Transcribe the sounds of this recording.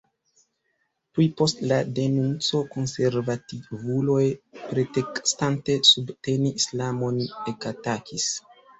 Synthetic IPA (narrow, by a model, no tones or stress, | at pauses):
plipo̞stlade̞nunt͡so̞ko̞nse̞ɾvativulo̞jpɾetekstante̞subte̞niːslamo̞ne̞katakis